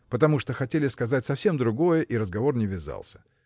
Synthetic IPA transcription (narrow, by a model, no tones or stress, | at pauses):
pət̪ɐmuʂt̪oxɐtʲelʲɪskɐzatʲsɐfsʲe̞md̪ɾʊɡo̞jəʔiɾəzɡɐvo̞rnʲɪvʲɪza̰lˠsʲə̥